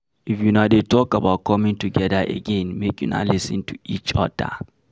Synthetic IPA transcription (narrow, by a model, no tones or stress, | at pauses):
ifjunadetʰɔkabaʊt̚kʰɔmĩŋtʰuɡɛðaʔə̰ɡɛ̃nmekʼjuna̰lɪsɨ̃ntʰu̥it͡ʃɔ̰da̰